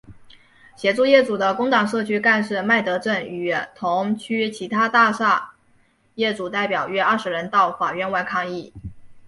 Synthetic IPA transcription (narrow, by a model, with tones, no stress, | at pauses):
ɕjɛ˧˥ʈ͡ʂu˥˧jɛ˥˩ʈ͡ʂu˨˩d̪ə˦kʊ˥ŋt̪ɑ˨˩ŋʂɤ˥˩t͡ɕʰy˥ka˥˧nʂɻ̩˥˧ma˥˩ɪt̪ɤ˧˥ʈ͡ʂə˥˩ny˨˩t̪ʰʊ˧˥ŋt͡ɕʰy˥t͡ɕʰi˧˥t̪ʰa˥t̪a˥˧ʂa˥˧ | jɛ˥˩ʈ͡ʂu˨˩t̪a˥˩ɪpjɑ˨˩ʊɥɛ˥ɐ˞˥˩ʂɻ̩˧˥ɻə˧˥nt̪ɑ˥˩ʊfa˨˩ɥɛ˥˧nwa˥˧ɪkʰɑ˥˧ŋi˥˩